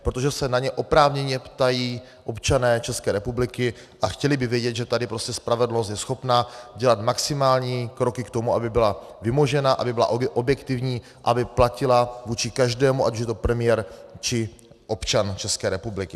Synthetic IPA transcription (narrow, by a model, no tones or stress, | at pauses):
pɾot̪o̞ʒɛsɛnaɲɛʔo̞pɾaːvɲɛɲɛpt̪ajiː | ʔo̞pt͡ʃanɛːt͡ʃɛskɛːɾɛpublɪkɪ | ʔaxcɛlɪbɪvjɛɟɛt̪ʒɛt̪adɪpɾo̞scɛspɾavɛdl̩nos̬t̪jɛsxo̞pnaɟɛlat̪maksɪmaːlɲiːkɾo̞kɪkt̪o̞muʔabɪbɪlavɪmoʒɛnaʔa̰bɪbɪla̰ʔʔobjɛkt̪ɪvɲiː | ʔabɪplacɪlavuːt͡ʃɪkaʒdɛːmuʔa̰cuʃjɛt̪o̞pɾɛmɪjɛɾt͡ʃɪ | ʔo̞pt͡ʃant͡ʃɛskɛːɾɛpublɪkɪ